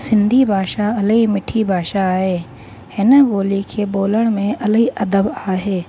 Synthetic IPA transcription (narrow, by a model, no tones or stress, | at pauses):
sɪ̃nd̪ʱibʱaːʃaɐlɦimɪʈʰibʱaːʃaːɦeː | hɪnəɡoːlikʰeːboːləɽ̃mẽʔɐlɦiʔɐd̪əbaːɦeː